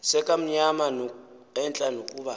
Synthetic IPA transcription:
sɛkʼam̩ɲamano | ɛnt͡ɬʼanokʼuːɓa

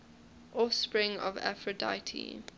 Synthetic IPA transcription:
ʔɔfspɹɪ̃ŋɔ̰væ̰fɹəda̰ɪtʰḭ

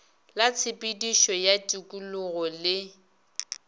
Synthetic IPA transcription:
lat͡sʰɪpʼidiʃɔjatʼukʼulʊɣɔlɪ

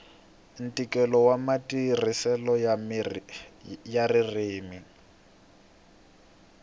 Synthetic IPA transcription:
n̩tʼikʼɛlɔwamatʼirisɛlɔ | jaririːmi

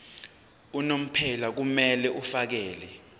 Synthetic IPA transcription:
unom̩pʰɛlak̬umɛlɛʔufak̬ɛːlɛ

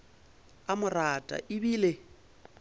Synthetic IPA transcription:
amʊratʼa̰ʔɪbiːle

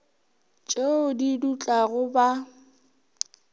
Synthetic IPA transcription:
t͡ʃʼeʊdidut͡ɬʼaɣʊba

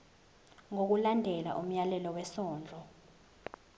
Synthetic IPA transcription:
ŋok̬ulandʱɛla̰ʔum̩jalɛlɔwɛsɔːnd͡ɮʱɔ

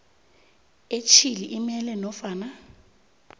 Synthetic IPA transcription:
et͡ʃʰiliʔimɛlɛnɔfaːna

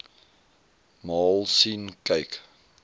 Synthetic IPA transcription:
mɑːlˠsinkəjk

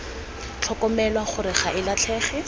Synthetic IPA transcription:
t͡ɬʰɔkɔmɛlwaχʊɾɪχaʔɪlat͡ɬʰɛːχɛ

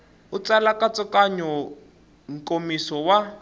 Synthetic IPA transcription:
ut͡salakat͡sʼɔkʼaɲɔ | ŋ̩komisɔwa

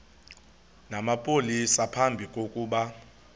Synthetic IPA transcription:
namapʼolisapʰambʱikʼokʼuːɓa

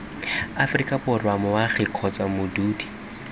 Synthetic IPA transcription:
afrikʼabʊrwamʊwaχɪkʰɔt͡sʼwamʊduːdi̥

